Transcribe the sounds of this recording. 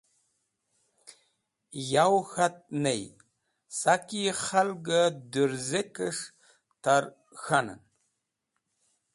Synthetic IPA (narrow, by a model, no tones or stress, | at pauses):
jawxat̚ʼnej | sakiχalɡadɨɾzekɨʂ | tʰar | xanɨ̰n